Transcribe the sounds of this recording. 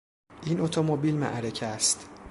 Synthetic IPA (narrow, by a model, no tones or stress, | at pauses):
ʔiːnot̪ʰomobiːlmæ̰ʔɾecʰæst̪